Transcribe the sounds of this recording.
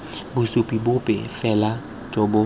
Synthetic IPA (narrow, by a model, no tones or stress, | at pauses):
bʊsʊpʼibʊpʼɛ̰fɛla | t͡ʃʼɔbʊ